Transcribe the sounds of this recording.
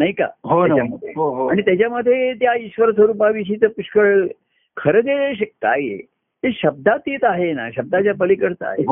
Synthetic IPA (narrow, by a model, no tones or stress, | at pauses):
naika̰ɦoaaməd̪ʱjeɦoɦoaɽ̃it̪jat͡ɕjaməd̪ʱːjet̪jaiɕʋəɾsʋəɾup̬aʋiɕit̪əpuʂkəɭ | kʰəɾəd̪eeɕək̚t̪a̰jḛ | teɕəb̚d̪at̪iːt̪aɦena̰ɕəb̚d̪at͡ɕjapəlikəɾt̪a̰ɦḛ